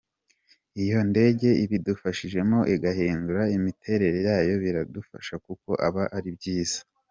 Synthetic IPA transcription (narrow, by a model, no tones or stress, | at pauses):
ijo̞nde̞ɟe̞iβidufaʃiʒe̞mo̞ʔiɡaɦiːnduɾaimitʰe̞ɾe̞ɾe̞jaːjo̞βiɾadufa̰ʃakuko̞̰ʔaβaʔaɾibɟiːz̥ḁ